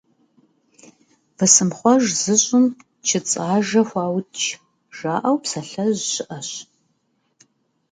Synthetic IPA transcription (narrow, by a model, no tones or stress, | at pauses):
vɨsɨmχʷɔʒzɨɕʼʊm | t͡ʃʰɪt͡sʼaːʒɐxʷɑːwtt͡ʃʰ | ʒ̥aːʔɐwpsɐɬɐʑɕɪʔɐɕ